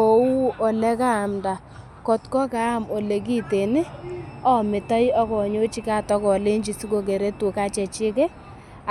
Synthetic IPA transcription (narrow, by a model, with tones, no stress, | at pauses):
o˨u˦o˨lɛ˦ka˦˨mda˨ | kɔ˨tkɔ˦ka˨˦˨mo˨le˨ki˦te˨nɪ˦ɔ˦mɪ˨tɔ˦jɔ˦kɔ˨ɲo˦t͡ʃi˦ka˦˨tɔ˦kɔ˨le˦ɲd͡ʒi˨si˦ko˨k̬e˨ɾe˦tu˨ka˦t͡ʃɛ˨t͡ʃɪ˦kɛ˦